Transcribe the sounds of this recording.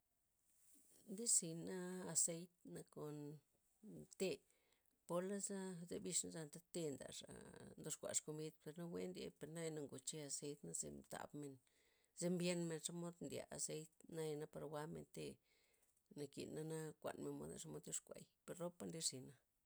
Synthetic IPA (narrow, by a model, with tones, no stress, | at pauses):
nd̪i˦si˨naː˦˧se˦jt̪na˧ko˨n | t̪e˦ | po˧la˦za˦zḛ˧bi˧ʂna˦za˧nt̪a˦t̪e˧nd̪a̰˨ʂa̰˨nd̪o˧ʂkʷa̰˨ʂko˧mbi˦d̪pe˨ɾna˦we˦nd̪ʲḛ˧pe˧ɾna˦ja˧na˧ŋɡo˨t͡ʃe˧a˧se˧˦jt̪na˦zḛ˧mt̪a̰˨bme˨n | ze˦mbje˦nme˧nʂa˦mo˦d̪nd̪ʲja̰˨ʔa̰˨se˦jt̪na˦ja˧na˦pa˧ɾwa˦mḛ˧nt̪e˧ | na˧kḭ˨na˦na˦kʷa̰˨nme˨nmo̰˧˦d̪a̰˧ʂa˧mo˧˦d̪jo˦ʂkʷa̰˨jpe˨ɾro˦pa˦nd̪i˦zi˨na˧